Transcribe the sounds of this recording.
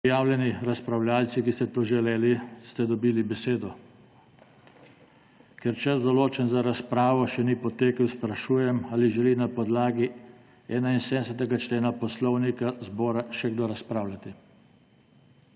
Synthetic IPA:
jaːwlʲjɛniɾaspɾawlʲaːlt̪sikist̪ɛt̪oːʒɛleːlist̪ɛd̪ɔbiːlibɛseːd̪ɔ | kɛɾt͡ʃazd̪ɔloːt͡ʃɛnzaɾaspɾaːʋɔʃɛnipɔt̪eːkəwspɾaʃuːjɛmaːliʒɛlinapɔd̪laːɡi | ɛːnainsed̪ɛsɛt̪̬ɛɡat͡ʃleːnapɔslɔwnikazbɔːɾaʃɛɡd̪oɾaspɾaːwlʲjat̪i

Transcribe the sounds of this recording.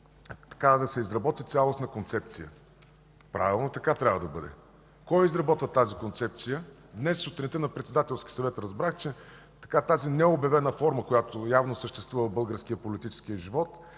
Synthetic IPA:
t̪ɐ̥kad̪ɐsɛizɾɐbɔt̪it̪sʲalˠosnɐkont̪sɛp̚t̪sijə̰ | pɾʔa̰vilˠnot̪ɐkat̪ɾʲavəd̪ɐbɤd̪ɛ̰ | kɔjizɾɐbɔt̪vət̪azikont̪sɛp̚t̪sijə | d̪nɛsot̪ɾɛnt̪ɛnɐpɾɛt̪sɛd̪at̪ɛlˠskʲi̥sɐvɛt̪ɾɐzbɾaxt͡ʃɛ | t̪ɐ̥kat̪azinɛobjɐvɛnəfɔɾməkojat̪ojavnosəʃt̪ɛst̪vuvəbɤlˠɡəɾskiəpolit̪it͡ʃɛ̥skijəʒivɔt̪

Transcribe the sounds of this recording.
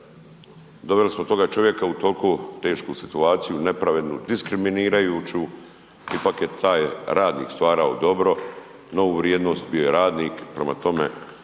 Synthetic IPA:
d̪o̞belismot̪o̞ɡat͡ʃo̞ʋje̞kaut̪olkot̪e̞ːʃkusit̪uaːt̪sijune̞pɾaʋe̞d̪nṵd̪iskɾiminiːɾajuːt͡ɕu | ipakje̞t̪ʰaːjɾaːd̪nḭːkst̪ʋaːɾao̰d̪o̞bɾo̞ | no̞uʋɾjed̪no̞ːst̪bio̞je̞ɾaːd̪niːkpɾema̰t̪o̞mḛ

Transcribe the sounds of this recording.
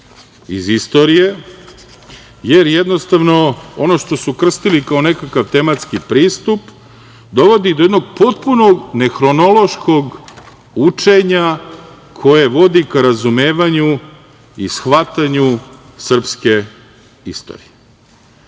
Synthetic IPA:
izist̪o̞ɾije̞ | jeɾjed̪nost̪aʋno̞o̞no̞ʃt̪o̞sukr̩st̪ilikao̞ne̞kakaʋt̪e̞mat̪skipɾiːst̪up | d̪o̞ʋo̞d̪id̪ojed̪no̞ɡ̚po̞t̪̚puno̞ɡne̞xɾo̞no̞lˠo̞ʃkʰo̞ɡ | ut͡ʂe̞ɲa | kʰo̞jeʋo̞d̪ikaɾazume̞ːʋaɲu | isxʋat̪aɲu | sr̩pske̞ | ist̪o̰ːɾije

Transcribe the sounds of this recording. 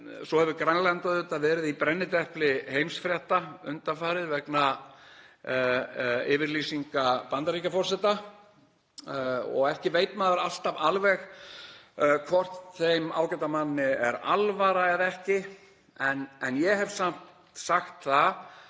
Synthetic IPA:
sɔhɛvʏkɾaŋlant̪aðʏt̪avɛːɾɪðipɾɛnːɪt̪ɛhplɪhejmsfɾjɛht̪aʏnt̪afaːɾɪðvɛkna | ɪːvɪɾlisiŋkapant̪aɾicafɔr̥sɛht̪a | ɔ̰ɣɛhcɪveːjt̪maːðʏɾal̥t̪avalvɛx | kʰvɔr̥t̪θejma̰ːwkɛt̪amanːɪɛ̰ɾa̰lvaɾaɛðɛhcɪ | ɛnɛnjɛhɛvsam̥tt̪saxt̪θa

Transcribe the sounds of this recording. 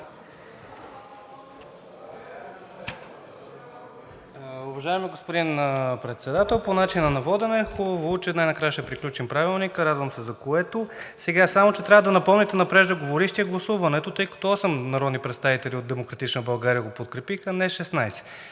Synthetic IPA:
uvɐʒaɛmiɡospod̪inpɾɛt̪sɛd̪at̪ɛlˠponat͡ʃinɐnɐvɔd̪ɛnɛxobɐvout͡ʃɛd̪najnɐkɾajəʃt̪ɛpɾiklʲut͡ʃimpɾavilˠnikəɾad̪vəmsɛzɐkoɛt̪osɛɡasamot͡ʃɛt̪ɾʲavəd̪ɐnɐpɔmnɛt̪ɛnɐpɾɛʒd̪əɡovoɾiʃt̪iɛɡlˠɐsuvɐnɛt̪ot̪ɤjkɐ̥t̪ɔɔsɛmnɐɾɔd̪nipɾɛt̪st̪avit̪ɛlʲiod̪ɛmokɾɐt̪it͡ʃnəbɐlˠɡaɾijəɡopot̪kɾɛpixənɛʃɛsnajsɛ̥

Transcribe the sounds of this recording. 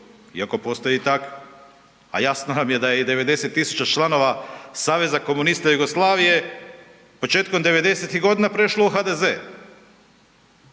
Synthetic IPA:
ḭako̞po̞st̪ojit̪ak | a̰jaːsnoamije̞d̪ajed̪e̞ʋe̞d̪e̞se̞t̪ːisu̥t͡ɕat͡ʃlˠano̞ʋasaːʋe̞zako̞munist̪ajuɡo̞slˠaːʋije̞ | po̞t͡ʃe̞ːt̪̚ko̞md̪e̞ʋe̞d̪e̞se̞t̪iɣɡo̞d̪inapɾe̞ʃlouxad̪e̞ze

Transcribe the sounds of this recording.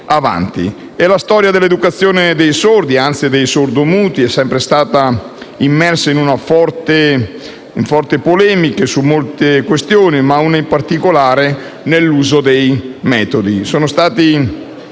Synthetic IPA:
ava̰nt̪ḭ | elast̪ɔːɾjad̪elːed̪ukat̪sːjoːned̪ejsord̪iant̪sid̪ejsord̪omuːt̪iɛsːɛmpɾest̪aːt̪a | imːɛrsainunafɔrt̪e | iɱfɔrt̪epolɛːmikesumːolt̪ekwest̪joːnimaunaimpart̪ikolaːɾe | nelːuːzod̪ejmɛːt̪od̪isoːnost̪aːt̪i

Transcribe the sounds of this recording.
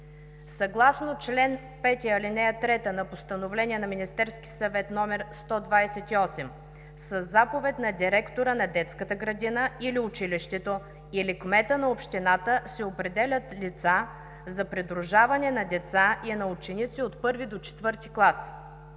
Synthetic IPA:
sɐɡlˠasnot͡ʃlɛn | pɛt̪ʲiɐlinɛjət̪ɾɛt̪ənɐpost̪ənovlɛnʲiɛnɐminist̪ɛɾsk̟ʲi̥sɐvɛt̪nɔmɛɾst̪ɔd̪vajsɛt̪iɔsɛm | sɐzːapovɛt̪nɐd̪ʲiɾɛkt̪oɾənɐd̪ɛt̪skət̪əɡɾɐd̪inəiliʊt͡ʃiliʃt̪ɛt̪o | ilɛkmɛt̪ənɐopʃt̪inat̪əsɛopɾɛd̪ɛlʲət̪lit̪sa | zɐpɾɛd̪ɾʊʒavɐnɛnɐd̪ɛt̪sainɐut͡ʃɛnit̪siot̪pɤɾvid̪ot͡ʃɛ̥t̪vɤɾt̪iklˠas

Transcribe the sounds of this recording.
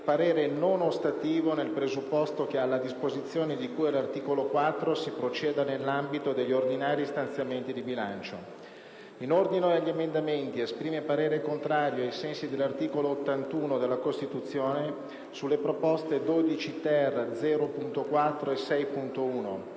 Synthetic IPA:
paɾeːɾenonost̪at̪iːvonelpɾezupːɔst̪ok̟ealːad̪ispozit̪sːjoːned̪ikuːjelart̪iːkolokwat̪ːɾosipɾot͡ʃɛːd̪anelːambit̪od̪eʎːord̪inaːɾist̪ansjament̪id̪ibilant͡ʃo̰ | inord̪inoaʎːemend̪ament̪iespɾiːmepaɾeːɾekont̪ɾaːɾjoajsɛnsid̪elːart̪iːkoloːt̪ːant̪uːnod̪elːakost̪it̪ut̪sːjoːne | sulːepɾopɔst̪ed̪oːd̪it͡ʃit̪ɛrːd̪zɛːɾopunt̪okwat̪ːɾoesɛjpunt̪ouːno̰

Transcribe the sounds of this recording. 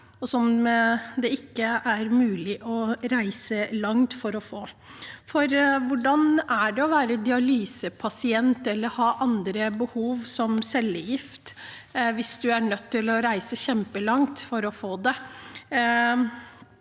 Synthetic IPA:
ɔsɔmd̪ɛɪkːəʔæɾmʉːlɪʔɔɾæɪsəlɑŋt̪fɔɾɔfoː | fɔɾʋʊɖɑnæɖɛɔʋæːɾəd̪ɪɑlyːsəpʰɑsɪɛnt̪ɛlːəɾhɑːʔɑnd̪ɾəbəhuːʋsɔmsɛlːəjɪft̪ | ʋɪsd̪ʉæɳœt̪ʰːɪlɔɾæɪsəçɛmpəlɑŋt̪fɔɾɔfoːd̪ɛ

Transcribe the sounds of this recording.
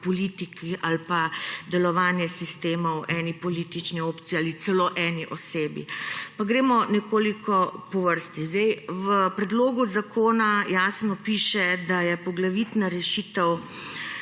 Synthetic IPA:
pɔliːt̪ikialpad̪ɛlɔʋaːnjɛsist̪eːmɔwʔɛːnipɔliːt̪it͡ʃnioːpt̪sijaːlit̪sɛloːʔɛːniʔɔseːbḭpaɡɾeːmɔnɛkoːlikɔpɔʋəɾst̪izd̪ɛjʋəpɾɛd̪loːɡuzakʰoːnajaːsnɔpiːʃɛd̪ajɛpɔɡlaʋit̪naɾɛʃit̪ɛw

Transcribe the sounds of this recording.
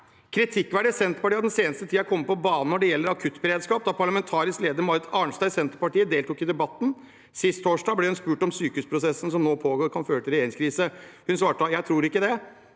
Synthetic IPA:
kʰɾɪt̪ʰɪkːʋæːɖəsɛnt̪əɾpɑʈiːɑd̪ɛnseːnəst̪ət̪ʰiːɑkʰɔmːəpɔbɑːnən̩ɔɖɛjɛlːəɾɑkʰʉt̪ːbəɾeːd̪skɑːp̚d̪ɑpʰɑɭɑmɛnt̪ʰɑːɾɪskleːd̪əɾmɑɾɪt̪ʰɑːɳst̪ɑɪsɛnt̪əɾpɑʈiːəd̪eːlt̪uːkɪd̪ɛbɑt̪ːn̩ | sɪst̪ʰːoːʂɖɑːɡblɛhʉnspʉːʈɔmsyːkʉːspʰɾʊsɛsːn̩sɔmnoːpʰoːɡoːɾkʰɑnføːɾət̪ʰɪɾɛeːɾɪŋskʰɾiːsəhʉnsʋɑːʈəjæɪt̪ʰɾuːɾɪkːəd̪ɛ

